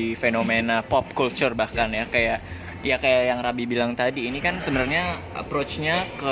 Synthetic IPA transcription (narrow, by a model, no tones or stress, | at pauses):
ifenomenapɔp̚kult͡ʃurbahkanjakajaʔ | jakajaʔjaŋrabibilaŋt̪adiːnikansəbənarɲa | ə̰pɾot͡ʃɲakə